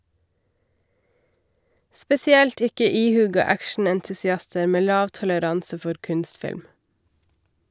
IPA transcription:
spɛsɪˈɛlt ˈɪkə ˈiːˌhʉːɡɑ ˈækʃɳ̩ɛntʉsɪˌɑstə ˈmeː ˈlɑːʋ tɔləˈɾɑnsə ˈfɔɾ ˈkʉnstˌfɪlm

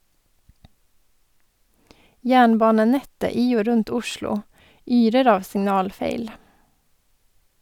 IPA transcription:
ˈjæːɳˌbɑːnəˌnɛtə ˈiː ˈoː ˈɾʉnt ˈʊʃlʊ ˈyːɾəɾ ˈɑːʋ sɪŋˈnɑːlˌfeɪl

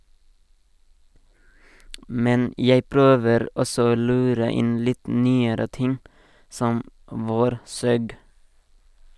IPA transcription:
ˈmɛn ˈjeɪ ˈpɾøːʋəɾ ˈɔsɔ ˈoː ˈlʉːɾə ˈɪn ˈlɪt ˈnyːəɾə ˈtɪŋ ˈsɔm ˈʋoːɾˌsøːɡ

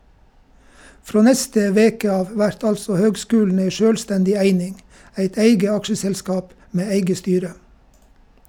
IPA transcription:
ˈfɾoː ˈnɛstə ˈʋeːkə ˈɑːʋ ˈʋæɾt ˈɑlsɔ ˈhøːɡˌskʉːlɳ̩ ˈeɪ ˈʃøːlˌstɛndɪ ˈæɪnɪŋ ˈæɪt ˈæɪɡə ˈɑkʃəsɛlˌskɑːp ˈmeː ˈæɪɡə ˈstyːɾə

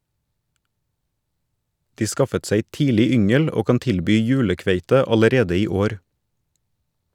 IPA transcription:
ˈdiː ˈskɑfət ˈseɪ ˈtiːlɪ ˈʏŋəl ˈoː ˈkɑn ˈtɪlbyː ˈjʉːləˌkʋeɪtə ɑləˈɾeːdə ˈiː ˈoːɾ

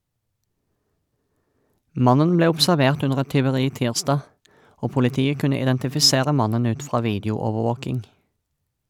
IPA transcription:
ˈmɑnən ˈbleː ʊbsæʁˈʋeːʁt ˈʉnəʁ ˈɛt tʏʋəˈʁiː ˈtiːʁˌsdɑː ˈoː pʊlɪˈtiːə ˈkʉnə ɪdɛntɪfɪˈseːʁə ˈmɑnən ˈʉːt ˈfʁɑː ˈʋiːdjʊɔʋəˌʋoːkɪŋ

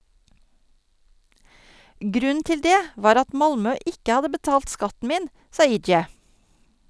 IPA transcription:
ˈɡɾʉn̩ ˈtɪl ˈdeː ˈʋɑːɾ ˈɑt ˈmɑlmœ ˈʔɪkə ˈhɑdə bəˈtɑːlt ˈskɑtn̩ ˈmiːn ˈsɑː ˈiːd͡ʒjɛ

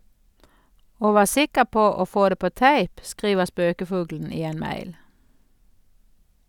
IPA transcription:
ˈoː ˈʋɑː ˈsɪkəʁ ˈpoː ˈoː ˈfoː ˈdeː ˈpoː ˈtæɪp ˈskʁiːʋəʁ ˈspøːkəˌfʊɡln̩ ˈiː ˈeːn ˈmæɪl

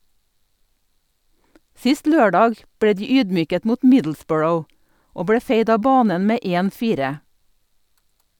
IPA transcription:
ˈsɪst ˈløːˌɖɑːɡ ˈbɽeː ˈdiː ˈyːdˌmyːkət ˈmuːt ˈmɪdl̩ˌsbɔɹəʊ ˈoː ˈbɽeː ˈfeɪd ˈɑː ˈbɑːnən ˈmeː ˈeːn ˈfiːɾə

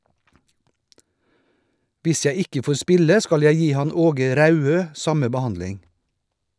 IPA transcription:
ˈʋɪs ˈjæɪ ˈɪkə ˈfoːɾ ˈspɪlə ˈskɑl ˈjæɪ ˈjiː ˈhɑn ˈoːɡə ˈɾɑʉˌøː ˈsɑmə bəˈhɑndlɪŋ

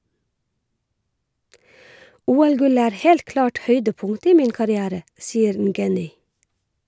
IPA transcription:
ˈuːˌælˌɡʉlə ˈæːɾ ˈhɛlt ˈklɑːʈ ˈhœʏdəˌpʊŋtə ˈiː ˈmiːn kɑɾɪˈæːɾə ˈsiːəɾ ˈŋɡɛnʏ

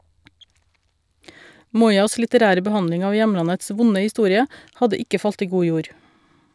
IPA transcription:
ˈmuːˌyːɑs lɪtəˈɾæːɾə bəˈhɑnlɪŋ ˈɑː ˈjɛmlɑnəts ˈʋʊnə hɪˈstuːɾɪə ˈhɑdə ˈɪkə ˈfɑlt ˈiː ˈɡuː ˈjuːɾ

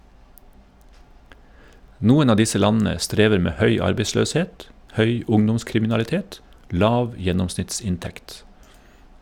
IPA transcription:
ˈnuːən ˈɑː ˈdɪsə ˈlɑnn̩ə ˈstɾeːʋəɾ ˈmeː ˈhœʏ ˈɑɾbeɪsløːsˌheːt ˈhœʏ ˈʊŋdʊmskɾɪmɪnɑlɪˌteːt ˈlɑːʋ ˈjɛnɔmsnɪtˌsɪnˌtɛkt

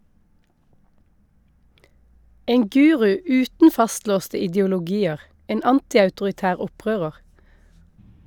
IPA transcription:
ˈeːŋ ˈɡʉːʁʉ ˈʉːtn̩ ˈfɑstloːstə ɪdjʊlʊˈɡiːəʁ ˈeːn ˈɑntɪɑʉtʊʁɪˌtæːʁ ˈɔˌpʁøːʁəʁ

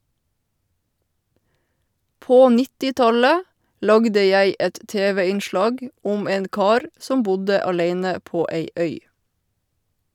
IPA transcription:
ˈpoː ˈnɪtɪˌtɑlə ˈlɑɡdə ˈjæɪ ˈɛt ˈteːʋɛ ɪnˈʃlɑːɡ ˈʊm ˈeːn ˈkɑːɾ ˈsɔm ˈbʊdə ɑˈleɪnə ˈpoː ˈeɪ ˈœʏ

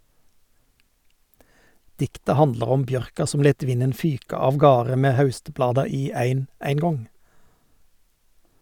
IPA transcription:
ˈdɪktə ˈhɑndlɑʁ ˈɔm ˈbjœʁkɑ ˈsɔm ˈleːt ˈʋɪnən ˈfyːkɑ ɑʋˈɡɑːʁə ˈmeː ˈhɑʉstˌblɑːdɑ ˈiː ˈæɪn æɪŋˈɡɔŋ

